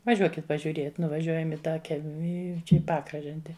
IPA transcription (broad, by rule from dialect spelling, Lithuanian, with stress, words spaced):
ʋɐˈʒʲuɔkʲɪt pɐʒʲʊˈrʲiɛt nʊʋɐˈʒʲuɔjɛm ɪ tɑː ˈkʲɛlʲmʲɪ ɪ ˈt͡ʃʲɛ ɪ ˈpɑːkrɐʒɐnʲtʲɛ